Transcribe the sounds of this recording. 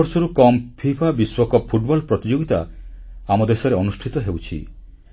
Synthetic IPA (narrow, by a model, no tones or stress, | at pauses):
ɔɾsɔɾukɔmpʰipʰabiswɔkɔpʰuʈbɔlpɾɔt̪id͡ʒoɡit̪a̰amɔd̪esɔɾeɔnusʈʰit̪ɔɦewt͡ʃʰḭ